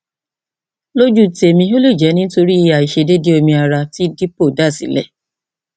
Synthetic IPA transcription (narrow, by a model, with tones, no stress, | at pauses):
lo˦d͡ʒu˦te˨mĩ˧˦o˦lo˦˨d͡ʒɛ˨˦nĩ˦n̩˦to˧ɾi˦˧a˨i˨ʃe˧de˦de˦o˧mĩ˧a˨ɾa˧ti˦di˦po˦˨da˦˨sḭ˨˦lɛ̰˦˨